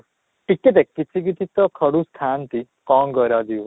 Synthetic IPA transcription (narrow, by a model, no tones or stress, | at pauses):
ʈikːet̪ekːit̪ʰik̬it̪it̪ɔkʰəɽũst̪ʰant̪i | kɔŋɡɔɾjad̪iw